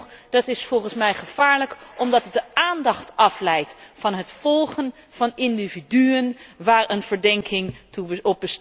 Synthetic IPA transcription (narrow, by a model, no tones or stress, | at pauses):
d̥ɑtɪsfɔlˠχənsmɛjχəv̥aːɹləkʔɔmdɑtət̚dəʔaːndɑχtɑflɛjtfɑnɦətfɔlˠχən | v̥ɑnɪndividyənʋaːɹənv̥əɹdɛŋkʰɪŋtuɔp̚bəs